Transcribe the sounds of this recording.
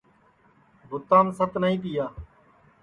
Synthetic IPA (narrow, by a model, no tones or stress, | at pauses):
bʊt̪ːãːnsət̪nəɦĩːp̪ɪjaː